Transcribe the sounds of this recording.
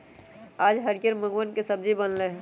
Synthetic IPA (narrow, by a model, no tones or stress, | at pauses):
aːd͡ʒɦɐɾɡəɾməɡwənkesɐb̚d͡ʒibənleɦɛ̃